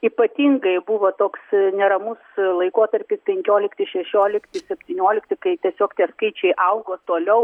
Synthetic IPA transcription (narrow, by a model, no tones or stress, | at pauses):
iːpɐt̪ʲiːŋɡɐɪbuʋoːt̪oːksnʲɛɾɐmʊslˠɐɪkoːt̪ɐɾʲpʲɪspʲɛŋʲkʲoːlʲɪkt̪ʲɪʃʲɛʃʲoːlʲɪkt̪ʲɪsʲɛpʲt̪ʲiːnʲoːlʲɪkt̪ʲɪkɐɪt̪ʲiɛsʲoːkt̪ʲiɛskɐɪt͡ʃʲɛɪʔɐʊɡoːt̪oːlʲɛʊ